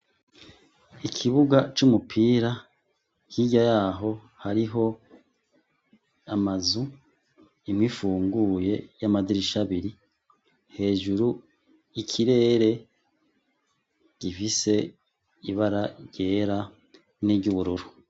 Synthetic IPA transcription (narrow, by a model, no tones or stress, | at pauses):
ikʰiβuɡat͡ʃumupʰiːɾa | kiɟajaːɦo̞ | haɾiɦo̞ | amazu | imŋiːfuːŋɡuje̞jamadiɾiʃaβiɾi | he̞ːʒuɾu | ikʰiɾe̞ːɾe̞ | ɡ̥ifise̞ | iβaɾaɾɟe̞ːɾa | niɟuβuɾuɾu